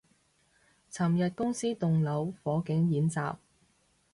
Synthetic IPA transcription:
t͡sʰɐ˨˩mjɐ˨t̚kʊ˥ŋsiː˥t̪ʊ˨ŋlɐ˨˥wfɔː˨˥kɪ˨˥ŋjiː˨˥nt͡saː˨p̚

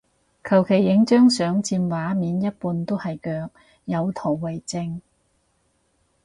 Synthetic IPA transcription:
kʰɐ˨˩wkʰe˨˩jːɪ˨˥ŋt͡ʃœː˥ŋsœː˨˥ŋt͡siː˧mwaː˨˥miː˨˥njɐ˥t̚puː˧nt̪o˥hɐ˨jkœː˧k̚ | jɐ˨˧wt̪ʰo˨˩wwɐ˨jt͡sɪ˧ŋ

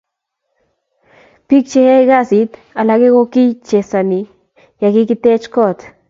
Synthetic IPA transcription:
pi˦k̚t͡ʃe˨he˦ɡa˦si˨t̪ | a˨la˨ke˦ɡo˧ki˦jt͡ʃe˨sa˨ni˨ | ja˨ki˦ki˦t̪e˦t͡ʃkɔ˦t̪

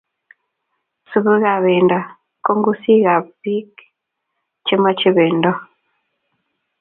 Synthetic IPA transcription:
su˨βu˦ɣa˨βe˨nda˨ | ko˦ŋɡu˦si˦ɣa˨bi˦k | t͡ʃe˦ma˦t͡ʃi˦βe˨ndɔ˦

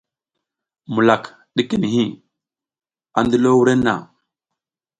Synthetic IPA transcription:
mu˨la˨k | ɗi˦ki˦ni˨ɦi˦˨ | a˨ndu˦lo˦wu˦ɾe˦nːa̰˨

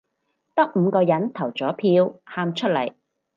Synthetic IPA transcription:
t̪ɐ˥k̚m̩˨˧kɔː˧jɐ˨˥nt̪ʰɐ˨˩wt͡sɔː˨˥pʰiː˧whaː˧mt͡ʃʰɵ˥t̚lɐ̰˨˩j

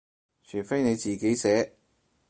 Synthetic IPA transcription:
t͡ʃʰyː˨˩fe˥jne˨˧jt͡siː˨˩ke˨˥jsɛː˨˥

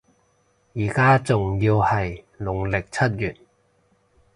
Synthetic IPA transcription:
jiː˨˩kaː˥t͡sʊ˨ŋjiː˧whɐ˨j | lʊ˨˩ŋlɪ˨k̚t͡sʰɐ˥t̚jyː˨˩t̚

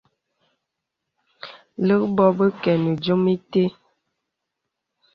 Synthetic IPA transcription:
lə˦kbɔ˦bə˦kɛ˨nə˨d͡ʒo˦mi˦te˦

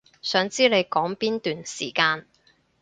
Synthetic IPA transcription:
sœː˨˥ŋt͡siː˥le˨˧jkɔː˨˥ŋpiː˥nt̪yː˨nsiː˨˩kaː˧n

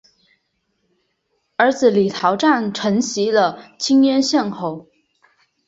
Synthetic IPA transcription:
ə˞˧˥d͡zɹ̩˨li˨˩t̪ʰɑ˧˥ʊʈ͡ʂa˥˩nʈ͡ʂʰɤ˧˥ŋɕi˧˥lə˧t͡ɕʰi˥ŋjɛ˥nɕjɛ˥˧nxo˧˩˦ʊ

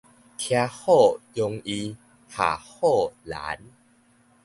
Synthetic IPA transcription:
k̪ʰja˧hɔ˥˨jo˧ŋi˧ | hʰa̰˨˩hɔ˥˩la̰˨˦n

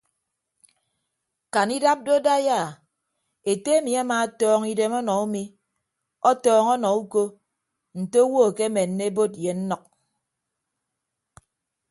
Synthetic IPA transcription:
ka˨ni˦da˦p̚do˦da˦ja˦˨ | e˨te˦e˦mi˨a˦maː˨˦tɔː˦ŋi˦de˨mɔ˦nɔ˨u˦mi˦ | ɔ˦tɔː˦ŋɔ˦nɔ˨u˦ko˦ | n̩˨to˦wo˦˨ke˦me˨nːe˦e˦bo˦t̚je˨n̩˦nɔ˨k̚

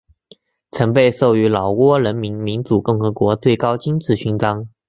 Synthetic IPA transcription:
t͡sʰɤ˧˥ŋp̬e˥˧ɪso˥˩ʊy˧˥lɑ˨˩ʊwɔ˥ɻə˧˥nmi˧˥nmi˧˥nt͡su˨˩kʊ˥˩ŋxɤ˧˥kwɔ˧˥t͡swe˥˩ɪkɑ˥ʊt͡ɕi˥nt͡sɹ̩˥˩ɕy˧˥nt͡sɑ˥ŋ

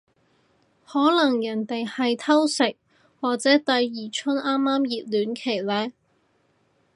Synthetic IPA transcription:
hɔː˨˥lɐ˨˩ŋjɐ˨˩nt̪e˨jhɐ˨jt̪ʰɐ˥wsɪ˨k̚ | waː˨k̚t͡sɛː˨˥t̪ɐ˨jːiː˨˩t͡ʃʰɵ˥nʔaː˥mːaː˥mjiː˨t̚lyː˨˥nkʰe˨˩jlɛː˨˥

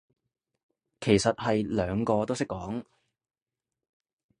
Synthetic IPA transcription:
kʰe˨˩jsɐ˨t̚hɐ˨jlœː˨˧ŋkɔː˧t̪o˥wsɪ˥kːɔː˨˥ŋ

